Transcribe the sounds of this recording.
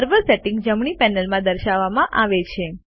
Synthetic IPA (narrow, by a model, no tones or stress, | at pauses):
əɾʋəɾseʈɪ̃ŋɡd͡ʒəmɳipɛnəlmãd̪əɾʃaʋːamãʔaʋet͡ʃʰe